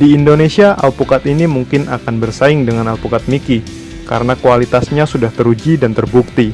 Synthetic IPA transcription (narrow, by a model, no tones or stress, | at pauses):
diːndonesiaʔa̰lpukat̪inimuŋkɪnʔakanbərsaɪŋdəŋanalpukat̪̚miki | ka̰ɾənakualit̪asɲasudaht̪əɾud͡ʒidant̪ərbuk̚t̪i